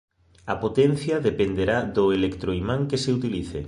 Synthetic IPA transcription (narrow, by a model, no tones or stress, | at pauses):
ɐpot̪ɛn̟θjaðepend̪eɾaðoelekt̪ɾoimaŋkeseut̪iliθḛ